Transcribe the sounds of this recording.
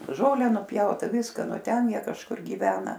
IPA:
ˈʒoːlʲɛ nʊˈpʲjɛʊtɐ ˈʋʲɪskɐ ˈnʊ ˈtʲɛn ˈjiɛ kɐʃˈkʊr ɡʲiːˈʋʲæːnɐ

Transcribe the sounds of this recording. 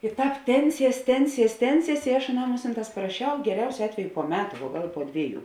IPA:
ɪ ˈtɑːp ˈtʲɛnʲˌsʲiɛs ˈtʲɛnʲˌsʲiɛs ˈtʲɛnʲˌsʲiɛs ɪ ɐʃ ɐˈnɐm ˈmʊsʲɪnˌtɑːs pɐrɐˈʃʲɛʊ ɡʲɛˈrʲɛʊsʲoː ˈɑːtʲʋʲɛjʊ poː ˈmʲæːtʊ ʋuɔ ˈɡɐlˠ poː ˈdʲʋʲiɛˌjuː

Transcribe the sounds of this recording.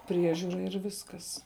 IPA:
ˈpʲrʲiɛʒʲuːrɐ ɪr ˈʋʲɪskɐs

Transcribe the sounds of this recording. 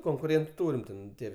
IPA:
koːŋkʊˈrʲeːntʊ ˈtuːrʲɪm ˈtʲɛn ˈtʲiɛ

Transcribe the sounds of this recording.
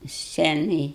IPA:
ˈsʲt͡sʲæːnɐj

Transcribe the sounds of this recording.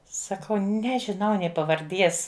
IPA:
sɐˈkɐʊ ˈnʲæːʒʲɪnɐʊ nʲeː pɐʋɐrʲˈdʲiɛs

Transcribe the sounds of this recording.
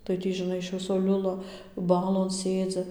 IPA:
tɐɪ ˈtʲiː ʒʲɪˈnɐɪ ɪʃ ˈʋʲɪsoː ˈlʲʊlˠɐ ˈbɑːlˠoːn ˈsʲeːd͡zʲɪ

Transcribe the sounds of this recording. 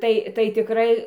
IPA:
ˈtɐɪ tɐɪ tʲɪˈkrɐɪ

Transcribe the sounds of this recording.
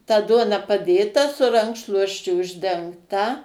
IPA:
tɐ ˈduɔnɐ pɐˈdʲeːtɐ sʊ ˈrɐŋkʃlˠuɔsʲt͡ʃʲʊ ʊʒʲdʲɛŋkˈtɐ

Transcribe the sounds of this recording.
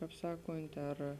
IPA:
ˈkɑːp ˈsɑːkoːnʲtʲ ɐr

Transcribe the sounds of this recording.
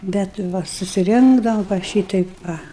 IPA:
bʲɛt ˈʋɐ sʊsʲɪˈrʲɪŋɡdɐʋɐm ʋɐ ˈʃʲiːtʲɛɪp ˈʋɐ

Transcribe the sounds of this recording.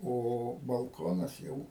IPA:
oː bɐlˠˈkoːnɐs ˈjɛʊ

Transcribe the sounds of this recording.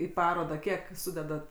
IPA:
iː ˈpɑːroːdɑː ˈkʲiɛk ˈsʊdʲɛdɐt

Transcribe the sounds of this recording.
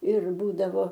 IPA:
ɪr ˈbuːdɐʋoː

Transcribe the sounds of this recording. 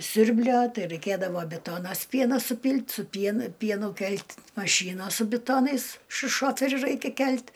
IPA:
ˈsʲʊrʲbʲlʲoː ˈtɐɪ rɐɪˈkʲeːdɐʋoː ˈbʲɪtoːnɐs ˈpʲiɛnoː sʊˈpʲiːlʲtʲ sʊ ˈpʲiɛnʊ ˈpʲiɛnʊ ˈkʲɛlʲtʲ mɐˈʃʲiːnoːs sʊ bʲɪˈtoːnɐɪs ʃʊ ˈʃoːfʲɛrʲʊ ˈrɐɪkʲɛ ˈkʲɛlʲtʲ

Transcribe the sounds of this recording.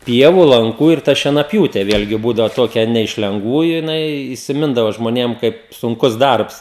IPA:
ˈpʲiɛʋʊ lˠɐŋˈkuː ɪr ˈtɐ ʃʲiɛnɐˈpʲjuːtʲɛ ˈʋʲeːlʲɡʲɪ ˈbuːdɐʋoː ˈtoːkʲɛ ˈnʲɛ ɪʃ lʲɛŋɡˈʋuːjʊ jɪˈnɐɪ iːsʲɪˈmʲɪndɐʋoː ʒmoːˈnʲeːm ˈkɐɪp sʊŋˈkʊs ˈdɐrps

